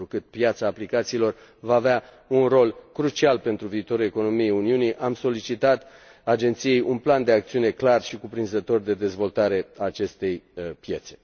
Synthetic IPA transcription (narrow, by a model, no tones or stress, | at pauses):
ɾukɨt̪̚pjat̪saːplikat̪siːlo̞r | vaːvea | unro̞lkɾut͡ʃialpe̞nt̪ɾuviːt̪o̞ɾue̞ko̞no̞mijejuniuniʔamso̞lit͡ʃit̪at̪ | ad͡ʒe̞nt̪sije̞jʔunpland̪e̞akt̪siune̞klarʃikupɾinzət̪o̞rd̪e̞d̪e̞zvo̞lt̪aɾe̞aːt͡ʃe̞st̪e̞jpje̞t̪se̞̥